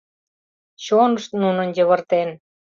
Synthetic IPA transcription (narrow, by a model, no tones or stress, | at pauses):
t͡ɕonəʃt̪nunənjəβə̆rt̪en